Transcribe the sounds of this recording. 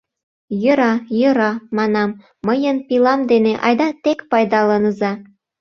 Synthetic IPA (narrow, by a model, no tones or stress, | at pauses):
jɤ̆ɾɑjɤ̆ɾɑmɑnɑmː | əjənpilɑmd̪eneʔɑ̰jd̪ɑt̪ekpɑjd̪ɑlɤnə̆zɑ